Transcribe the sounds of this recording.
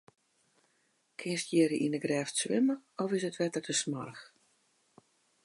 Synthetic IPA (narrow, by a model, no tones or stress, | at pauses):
kʰɪnstjɪɾəʔinəɡrɛftswɪməɔfɪsətʋɛtərdəsmɔ̰rx